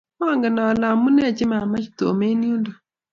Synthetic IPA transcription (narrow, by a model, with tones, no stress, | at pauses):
m˦a˦˨ŋɡa˨na˨la˨mu˦nɛ˦˨t͡ʃɪ˦ma˨ma˦t͡ʃi˨to̰˨me˦ni˦u˦ndo˨